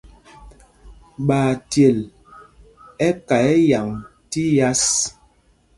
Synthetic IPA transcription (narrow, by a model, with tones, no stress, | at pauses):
ɓaː˨tje˨l | ɛ˦ka˨ɛ˦ja˨ŋti˦ja˦s